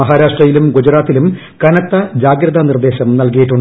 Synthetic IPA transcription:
ɐɦaːɾaːʂʈrɐjilumɡud͡ʑɐɾaːt̪ːilum | kɐnɐt̪ːɐd͡ʑaːɡɾɐðɐnird̪e̞ːɕɐmnɐlk̬ɐjiʈːuɳɖ

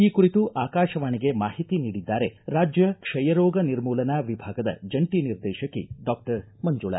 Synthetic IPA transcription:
iːkuɾit̪uʔaːkaːʃɐʋaːniɡe̞maːɦit̪iniːɽid̪ːaːɾe̞ɾaːd͡ʒjɐkʂɐjɐɾɔːɡɐniɾmuːlɐnaːʋibʱaːɡɐd̪ɐ̰d͡ʒɐɳʈiniɾd̪ɛːʃɐkːiɖaːk̚ʈɐɾmɐɲd͡ʒuːɭɐ̰

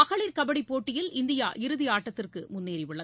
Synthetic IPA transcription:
ɐɣɐɭiːɾkɐbɐɽipːoːʈːɪjɪlɪnd̪ɪja̰ːʔɪɾɯðɪaːʈːɐt̪ːɪrkɯmʊnːiːɾɪʋɯɭːɐð

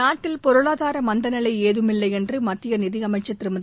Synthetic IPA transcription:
aːʈːɪlpɔɾɯɭaːðaːɾɐmɐnd̪ɐnɐlɐɪeːðɯmɪlːɐɪɛndrɯmɐt̪ːɪjɐnɪðɪɐmɐɪt͡ʃːɐt̪ːɪɾɯmɐð

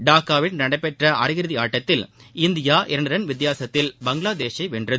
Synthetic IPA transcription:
ɖaːkːaːʋɪnnɐɽɐɪpːɛʈrɐʔɐɾɪɣɪɾɯðɪaːʈːɐt̪ːɪlɪnd̪ɪjaːʔɪɾɐɳɯɾɐnʋɪt̪ːjaːsɐt̪ːɪlbɐŋɡɪlaːd̪eːʃɐɪʋɛɳdrɐðɯ

